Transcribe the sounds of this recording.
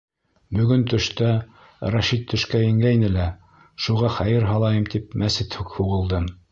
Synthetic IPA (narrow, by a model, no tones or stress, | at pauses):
bɵ̆ɡɵnt̪ɵ̆ʃt̪æ | ɾɑʃit̪ʰːɵ̆ʃkæjɘ̆ŋɡæjnɘlæ | ʃuʁɑχæjɘɾɦɑlˠɑjɤmt̪ipmæsɘt̪hʉkhuʁɤ̆lˠd̪ɤm